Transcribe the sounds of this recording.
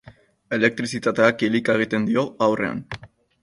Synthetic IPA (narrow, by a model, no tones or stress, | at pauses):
e̞le̞k̚t̪ɾisit̪at̪e̞akilikaeɣ̞it̪e̞nd̪io̞awre̞̰a̰n